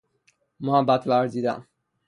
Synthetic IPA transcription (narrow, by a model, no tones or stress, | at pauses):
mãːbat̪laɾd̪id̪a̰